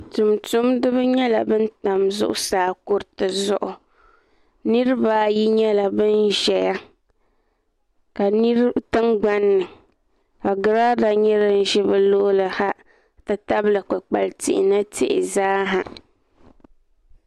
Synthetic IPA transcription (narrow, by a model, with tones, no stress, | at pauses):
tu˨mtʊ˦mdɨ˦βɨ˦ɲɛ˦la̰˨bɨ˦n˦ta˨mzʊ̰˦ʔʊ̰˦saː˨˦˨kʊ˦ɾtɨ˨zʊ˦ʔʊ˨ | nɨ˦ɾɨ˦baː˨˦ji˦ɲɛ˦la˨bɨ˦nʒɛ˨ja˦ | ka˨nɨ˦ɾtɨ˦ŋɡ͡ba˦nːɨ˨ | a˨ɡɨ˨ɾa˦da˨ɲɛ˦ɾɨ˦n̩˦ʒɛ˦bɨ˦lo˦lɨ˨ha˦ | tɨ˦ta˦blɨ˨k͡pa˨k͡pa˨ltɪ̰˨ʔɪ̰˨na˦tɪ̰˨ʔɪ̰˨zaː˦ɦa˨